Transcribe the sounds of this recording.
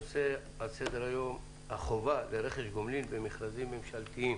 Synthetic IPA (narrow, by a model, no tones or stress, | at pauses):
se | alsed̪eɾajo̞m | haχovaleɾeχeʃɡomlilbemiχɾazimːemʃalt̪iim